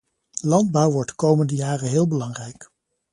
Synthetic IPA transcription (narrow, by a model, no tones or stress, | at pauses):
lɑndbʌwʋɔɹtkowməndəjaːrənɦɪːlˠbəlɑŋrɛjk